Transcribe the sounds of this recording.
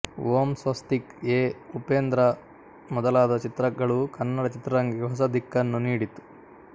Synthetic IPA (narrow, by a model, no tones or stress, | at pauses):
ʋoːmsʋɐst̪ikeːupeːnd̪ɾɐ | mɔd̪ɐlaːd̪ɐt͡ʃit̪ɾɐɡːɐɭukɐnːɐɽɐt͡ʃit̪ɾɐɾɐŋɡiɡɦɔs̬ɐd̪ʱikːɐnːuniːɽit̪u̥